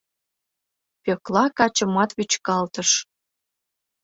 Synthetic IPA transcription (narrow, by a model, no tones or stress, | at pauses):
pøklɑkɑt͡ɕə̆mɑt̪βyt͡ɕkɑlt̪əʃ